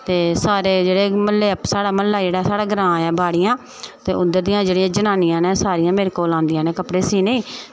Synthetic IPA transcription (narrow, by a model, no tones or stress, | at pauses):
t̪eːsaːɾeːd͡ʒeːɽeːməlːeːsaːɽaːməlːaːd͡ʒeːɽaːsaːɽaːɡɾãːjaːbʱaːɽɪjãː | t̪eːʔʊd̪ːəɾd̪iːãːd͡ʒeːɽɪjãːd͡ʒənãːnɪjãːneːsaːɾɪjãːmeːɾeːkoːlãːnd̪ɪjãːneːkəpɽeːsiːnẽĩː